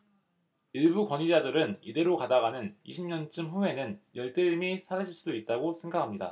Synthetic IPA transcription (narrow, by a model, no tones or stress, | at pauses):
iɭbukwʌɲid͡ʑadɯɾɯnide̞ɾokadaɡanɯnḭɕʰimɲʌnt͡ɕ͈ɯmɸuwe̞nɯnjʌɭt͈eimisʰaɾaɕʰiɭs͈udoit̚t͈aɡosʰeŋɡakʰamɲida̰